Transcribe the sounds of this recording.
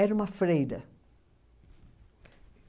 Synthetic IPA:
ɛɾmafɾejd̪ə

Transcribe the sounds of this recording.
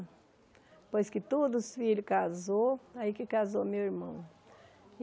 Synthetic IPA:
pojskɪt̪od̪ʊsfiʎʊkazoaikɪkazomewiɾmɐ̃w̃

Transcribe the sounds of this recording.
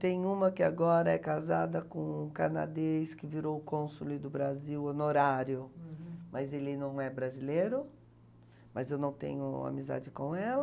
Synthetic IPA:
t̪ẽj̃ũmɐkɪaɡɔɾɐɛkazad̪ɐkõkana̰d̪eskɪviɾowʊkõsulɪd̪ʊbɾaziwonoɾaɾjʊmɐzelɪnɐ̃w̃ɛbɾazilejɾʊ | mɐzewnɐ̃w̃t̪ḛ̃ɲʊa̰miza̰d͡ʒɪkõɛl

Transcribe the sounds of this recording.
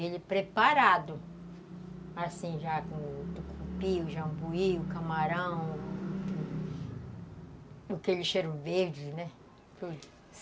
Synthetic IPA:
elɪpɾepaɾad̪ʊ | asĩʒakõt̪ukʰupiʊʒɐ̃buiʊkamaɾɐ̃w̃ | ʊkelɪʃeɾʊveɾd͡ʒɪnɛ | t̪ud̪ʊ

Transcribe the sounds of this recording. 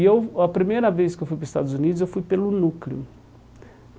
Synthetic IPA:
ewɐpɾimejɾɐveskɪewfujpɾʊist̪a̰d̪ʊzunid̪ʊzewfujpelʊnukliʊ̰

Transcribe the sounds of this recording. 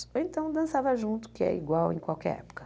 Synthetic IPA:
oẽnt̪ɐ̃w̃d̪ɐ̃savɐʒũnt̪ʊ̥kɪɛ̰ḭɡwawẽj̃kwawkɛ̰ɾɛ̰pʊ̥kɐ̥

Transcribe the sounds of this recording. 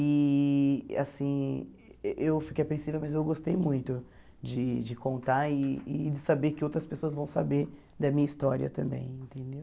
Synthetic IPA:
ɪ | a̰sĩ | ʔewfi̥kejapɾẽsivewmɐzewɡost̪ejmũj̃t̪ʊ | d͡ʒɪd͡ʒɪkõnt̪aɪɪd͡ʒɪsabeɾkɪowt̪ɾɐspesoɐzvɐ̃w̃sabeɾ | d̪ɐmĩɲɐist̪ɔɾiɐ̰t̪ɐ̃mbḛ̃j̃ẽnt̪ẽnd̪ew

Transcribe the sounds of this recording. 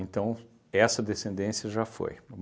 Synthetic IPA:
ẽnt̪ɐ̃w̃ | ɛsɐd̪esẽnd̪ẽsiɐʒafo̰jum

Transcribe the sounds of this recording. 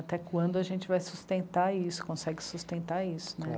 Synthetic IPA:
at̪ɛkwɐ̃nd̪ʊɐʒẽt͡ʃɪvajsust̪ẽnt̪aisʊ̥kõsɛɡɪsust̪ẽnt̪aisʊ̥nɛ

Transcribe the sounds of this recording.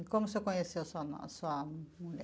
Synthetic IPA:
kõmusekõɲesewsɐn̰soɐmuʎʲɛ

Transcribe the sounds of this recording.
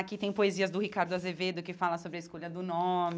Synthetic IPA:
akit̪ẽj̃poeziɐzd̪ʊhikaɾd̪ʊazeved̪ʊkɪfalɐsobɾɪɐiskoʎɐd̪ʊnõmɪ

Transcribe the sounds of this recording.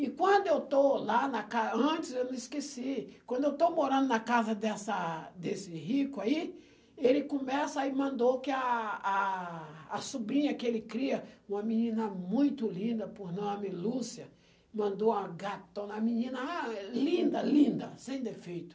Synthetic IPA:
ikwɐ̃nd̪ʊewt̪olanakazɐ̃nt͡ʃ̪ɪsewnõiskesikwɐ̃nd̪oewt̪owmoɾɐ̃nd̪ʊnakazɐd̪ɛsɐd̪esɪhikʊai | elɪkõmɛsaimɐ̃nd̪okɪaː | subɾĩɲɐkelɪkɾiɐũmɐminĩnɐmũj̃t̪ʊlĩnd̪ɐpoɾnõw̃amɪlusjɐ | mɐ̃nd̪oaɡat̪õnɐminĩnɐalĩnd̪ɐlĩnd̪ɐsẽj̃d̪efejt̪ʊ̥

